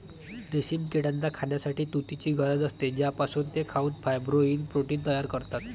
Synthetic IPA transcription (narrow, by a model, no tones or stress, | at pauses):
ɖesiːmkiɽãnd̪akʰaɳjasaʈiːt̪ut̪it͡ɕiːɡəɾəd͡z̪əst̪ed͡ʑjapasuːnt̪ekʰauːnfʰajbɾoinpɾoʈiːnt̪əjaɾkəɾt̪at̪